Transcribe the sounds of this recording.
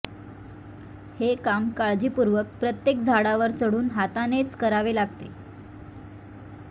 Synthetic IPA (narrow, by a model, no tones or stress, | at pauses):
hekamkaɭd͡ʑiːpuɾʋək̚pɾət̪jekd͡zʱaɽaʋəɾt͡səɽuːnɦat̪anet͡skəɾaʋelaɡ̚t̪ḛ